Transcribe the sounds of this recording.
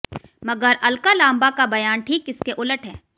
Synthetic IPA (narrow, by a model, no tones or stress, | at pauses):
mɐɡəɾɐlkalãːmbakabɐjaːnʈʰiːkɪskeʔʊləʈʰɦɛː